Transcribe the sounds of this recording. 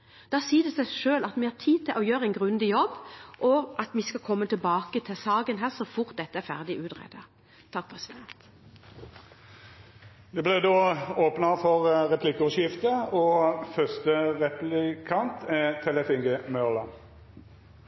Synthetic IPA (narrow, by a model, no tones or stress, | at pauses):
d̪̥ɑːsiːd̪ɛsæʃøːlɑt̪ʋɪhɑːt̪ʰiːt̪ʰɪlʔɔjøːɾəɛɪnɡʁʉnd̪ɪjɔbːʔɔʔɑt̪ʋɪskɑkʰɔmːət̪ʰɪlbɑːkət̪ʰɪsɑːɡənɦæːʁsɔfʊɾt̪̚d̪ɛt̪ːəæɾfæ̰ʁd̪ɪʔʉːt̪ʁɛ̰ːd̪ə | t̪ʰɑk̚pʰʁɛsɪd̪ɛnt̪ | d̪ɛblɛd̪oːoːpnɑfɔʁʁɛpʰlɪkːəɔʃɪft̪əɔfœʁst̪əʁɛplɪkʰɑnt̪ʰɛt̪ʰɛləfɪŋɡəmœʁlɑ